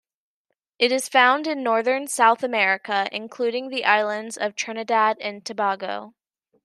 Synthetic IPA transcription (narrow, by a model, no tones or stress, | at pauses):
ʔɨɾɨz̥fãʊ̃ndɨ̃nːɔɹðə̃˞nsaʊθɨmɛɹɨkəʔɪ̰̃nkʰl̥ʉɾɪ̃ŋðiʔaɪlˠə̃ndzʌv̥tʰɹ̥ɜnɨdæɾɨ̃ntʰɨbɑɡoʊ